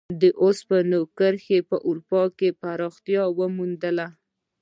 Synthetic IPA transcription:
d̪əʔospənokəɾxepəʔuɾupɑkepaɾɑxt̪jɑwəmund̪əla

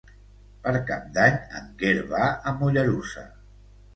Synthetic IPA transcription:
pəɾkap̚d̪aɲə̰ŋɡeɾβaəmuʎəɾusa̰

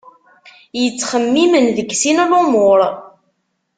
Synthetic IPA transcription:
jət͡sːχəmːimənðəɡsinlomoɾˤ

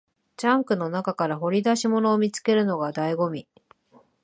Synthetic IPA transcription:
t͡ɕãŋkɯ̟no̞nakakaɾaɦo̞ɾʲid̪aɕimo̞no̞ːmʲit͡sɨ̥ke̞ɾɯ̟no̞ɡad̪aiɡo̞mʲi

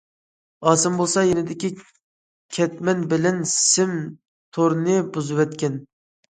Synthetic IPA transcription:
ɑːsɨmbolˠsɑjenɪd̪ɪkʲi | kʲʰɛt̪mɛnbɪlɛnsɪm | t̪ʰoɾnɨbuzɨwɛt̪kʲɛn

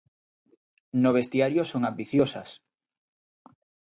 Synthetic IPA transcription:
noβ̞est̪iaɾjosoŋambiθjosas

